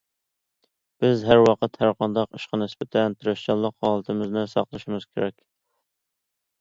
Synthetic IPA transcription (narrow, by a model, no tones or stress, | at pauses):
b̥ɪzɦæɾwɑqət̪hæɾqʰɑnd̪ɑqiʃqɑnɪspɪt̪ʰɛnt̪ʰyɾɛʃt͡ʃɑlˠəqhɑːlˠət̪ʰɪmɪznɪsɑ̰qlˠɨʃimɨz̥kʲʰeɾɛkʲ